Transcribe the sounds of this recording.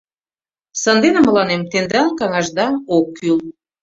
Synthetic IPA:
sənd̪enə̆mə̆lɑnemt̪end̪ɑnkɑŋɑʒd̪ɑokʰːyl

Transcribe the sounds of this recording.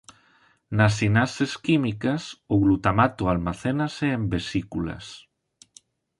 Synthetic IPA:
nasinaseskimikasoɣlut̪amat̪ualmaθenaseembesikulɐ̰s

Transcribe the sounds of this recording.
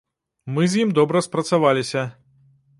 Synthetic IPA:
mɨzʲjimd̪ɔbɾɐspɾɐt̪savalʲisʲɐ

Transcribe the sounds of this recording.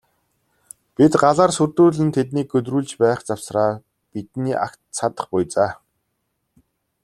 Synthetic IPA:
pit̪ɢaɮaːrsurt̪uːɮɘ̆nt̪ʰet̪niːk̚ɡɵt̪̬ruːɮt͡ɕpæːχt͡sawsraː | pit̪niːʔa̰kt̪sʰat̪ə̥̆χpʊjt͡saː

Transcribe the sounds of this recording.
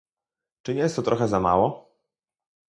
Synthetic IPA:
t͡ʂɘɲɛjɛst̪ːɔt̪ɾʔɔxɛzama̰wɔ

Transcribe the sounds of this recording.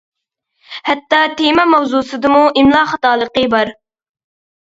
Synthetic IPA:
hɛt̪ːɑt̪emɛmɑwzusɨd̪ɨmuʔɪmlˠɑːχɑt̪ɑːlˠəqəbɑɾ

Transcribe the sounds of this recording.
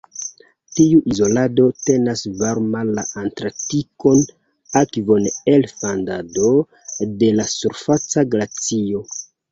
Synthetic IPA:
tiuʔizo̞lado̞te̞nasvaɾmala̰ʔantɾatiko̞n | akvo̞nelfandado̞ | de̞lasuɾfat͡saɡɾat͡sio̞

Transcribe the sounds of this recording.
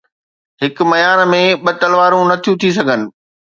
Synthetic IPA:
ɦɪkʊmɐjaːnmẽɓɐt̪ɐlʋaːɾũnɐt̪ʰijũt̪ʰis̬ɐɡʱənɪ̆

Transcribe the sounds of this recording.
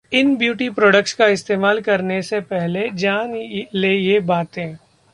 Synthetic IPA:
ɪnbjuːʈipɾɔːɖək̚ʈskaɪst̪eːmaːlkɐɾnesepɛɦled͡ʒaːnleːjebaːt̪ẽː

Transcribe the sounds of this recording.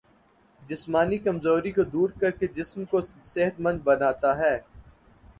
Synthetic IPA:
d͡ʒɪsmaːnikɐmzoːɾikod̪uːɾkɐɾked͡ʒɪsmkoseɦət̪mɐ̃nd̪̚bɐnaːt̪aɦɛː

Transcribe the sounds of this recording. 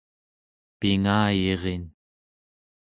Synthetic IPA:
piŋaːjeʁen

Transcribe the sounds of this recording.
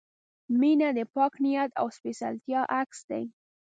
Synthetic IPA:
minad̪əpɑknijat̪a̰wspesa̰lt̪jɑʔaksd̪a̰j

